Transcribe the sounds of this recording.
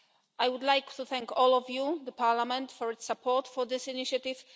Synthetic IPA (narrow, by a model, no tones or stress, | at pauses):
ʔajwʊd̪lajkt̪uθɛ̃ŋkɔlɔvjuðəpʰaɹlamɛ̃nt̪fɔɹɪtsapʰɔɹt̪fɔðɪsiniʃat̪ɪv̥